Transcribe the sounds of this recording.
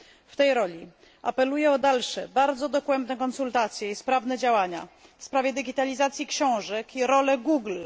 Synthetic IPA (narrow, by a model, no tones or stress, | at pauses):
ft̪ɛjɾɔlʲi | ʔapɛlujɛɔd̪alʂɛbaɾd̪zɔd̪ɔkwɛnd̪nɛkɔnsult̪at̪sʲjɛispɾavnɛd͡ʑawaɲafspɾavʲjɛd̪ɘɡʲit̪alʲizat̪sʲjikɕɔ̃w̃ʐɛkʰiɾɔlɛɡuɡl